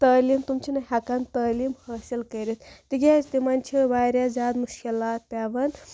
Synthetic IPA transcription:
t̪ɐːlimt̪umt͡ʃʰinɐhɐkɐnt̪ɐːlimhɐːsilkɐɾit̪ʰt̪iɡʲaːzt̪imant͡ʃʰibaːɾʲazʲaːd̪muʃkilaːt̪̚pʲaːʋɐn

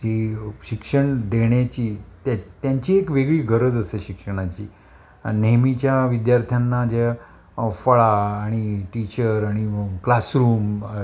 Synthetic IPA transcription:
t̪iɕikʂəɳd̪eɳjat͡ɕiːt̪t̪jaɲt͡ɕiːekʋeɡɭiːɡʱəɾəd͡zəseɕikʂəɽ̃at͡ɕiː | neɦmit͡ɕjaʋid̪jaɾt̪ʰjanːad͡ʑe | fəɭaːɽ̃iʈit͡ɕəɾaɽ̃iklasɾuːm

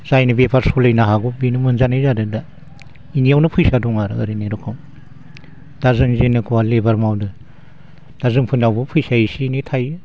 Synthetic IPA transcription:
zajnɯbepʰaɾsɔlejnaɦaɡubinɯmɯnzanajzadɯda | inijawnɯpʰɯjsadɔŋaɾɯ̰ɯ̰ɾiniɾukʰɯm | d̥azɯŋzenɯkʰuwalebaɾmawdɯ | d̥azɯŋpʰɯnawbɯpʰɯjsaisinitʰajɯ

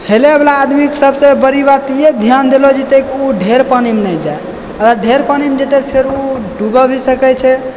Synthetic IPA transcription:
heleəblaːd̪miksəbsebəɾibat̪ijed̪ʱjand̪elod͡ʒet̪ekiuɖʱeɾpanimnəd͡ʒae | əɡəɾɖʱeɾpanimd͡ʒet̪epʰeɾuɖubəbʱisəkɛt͡ʃʰɛ

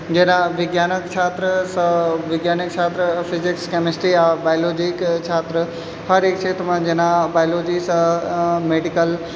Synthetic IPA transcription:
d͡ʑenãʋɪɡjaːnəkt͡ʃʰaːt̪ɾəsɐʋɪɡjaːnək̚t͡ʃʰaːt̪ɾəfɪzɪkskemesʈɾiabaːjloːd͡ʑɪkt͡ʃʰaːt̪ɾə | hɐɾeːk̚t͡ʃʰeːt̪ʰəmãd͡ʑenãbaːjloːd͡ʑisəmeːɖikəl

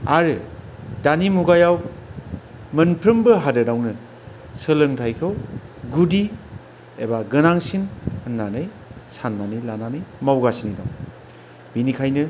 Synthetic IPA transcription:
aɾɯdanimuɡajaw | mɯnpʰɾɯmbɯɦadɯdawnɯ | sɯlɯŋtʰajkʰɯwɡudi | ebaɡɯnaŋsinɯnːanɯj | sanːanɯjlananɯjmawɡasinida̰w | b̥inikʰajnɯ

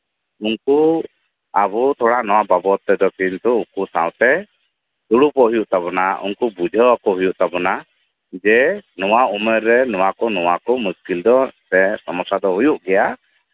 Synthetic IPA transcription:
uŋku | abut̪ʰɔɽaʔnɔwababɔt̪ːɛd̪ɔkint̪uukusã̰wt̪ɛ | d̪̥uɽupɔʔɦujuʔt̪aβɔnaṵŋkubud͡ʒʱɔkɔɦujuʔt̪abɔna | d͡ʒɛnɔwaumɛɾːɛnɔwakɔnɔwakɔmuskild̪ɔsɛsɔmɔsad̪ɔɦujuʔɡɛja

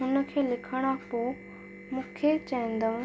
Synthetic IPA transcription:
ʊnə̆kʰeːlɪkʰəɽ̃apoː | mũːkʰet͡ɕɛ̃ːnd̪əũ

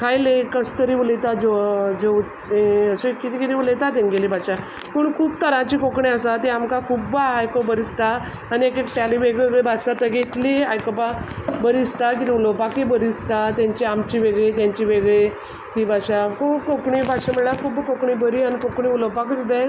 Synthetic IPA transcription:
kʰajlekəst̪əɾiːʋulet̪ad͡ʑed͡ʑeʋ̪ | eəsekit̪ikit̪iʋulet̪at̪enɡelibʱaɕa | pəɳkʰuːbt̪əɾãt͡ɕiːkokɳiəsat̪iamkakʰubːaːjkobəɾist̪a | aniekekʈaliʋeɡɭeɡebat͡st̪at̪əɡet̪liajkopabəɾist̪ak̬it̪iʋuləwpakebəɾist̪at̪jãɲt͡ɕiamt͡ɕiʋeɡɭit̪jãɲt͡ɕiʋeɡɭe | t̪ibʱaɕakʰubkokɳibʱaɕaməɽlakʰuːbkokɳibəɾianikokɳiuləwpakd̪id̪e

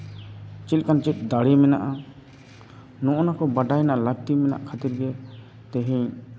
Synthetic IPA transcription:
t͡ʃilˀkant͡ʃit̪̚ˀd̪aɽimɛna̰ʔa | nɔ̃ʔɔnakɔbaɖajnaʔlaɡ̚t̪imɛna̰ʔkʰat̪iɾɡɛ | t̪ɛɦĩ

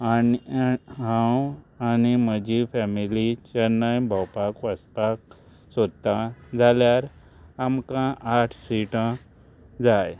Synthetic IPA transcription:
aniɦãwaniməd͡ʑifɛmilit͡ɕəɾnːajbʱawpakʋəspak̚ | səd̪t̪ad͡zʱaljaɾ | amkãʔaʈʰsiʈã | d͡zaj

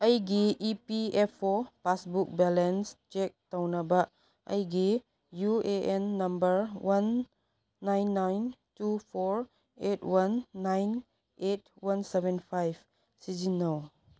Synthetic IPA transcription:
ɐjɡiipiepʰɔpasbuk̚bɛlenst͡ʃek̚tawnaba | ɐ̰jɡi | jueʔenːɐmbəɾwʔanː | ajnːajntupʰɔɾ | etwanːajn | etwansebenpʰajb | sid͡ʒinaw

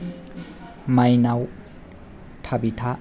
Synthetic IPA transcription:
majnaw | tʰabitʰa

